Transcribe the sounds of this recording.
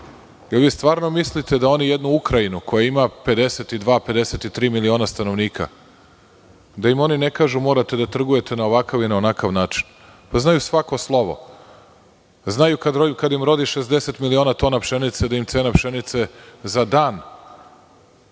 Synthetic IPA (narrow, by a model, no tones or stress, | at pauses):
elʋiːst̪ʋaːɾno̞mislit̪e̞d̪ao̞nijed̪nuukɾainuko̞jaimape̞d̪e̞set̪id̪ʋaːpe̞d̪e̞se̞t̪it̪ɾiːmilio̞ːnast̪ano̞ʋniːkʰa̰ | d̪ajimo̞nine̞kaːʒumo̞ːɾat̪e̞d̪at̪r̩ɡuje̞t̪e̞naoʋakaʋinaonakaʋnaːt͡ʂi̥n | paznajusʋako̞slˠo̞ʋo̞̰ | znajukad̪okad̪imɾo̞d̪iʃe̞zd̪ese̞t̪milio̞ːnat̪o̞napʃe̞nit̪sed̪aimt̪se̞ːnapʃe̞nit̪sezad̪aːn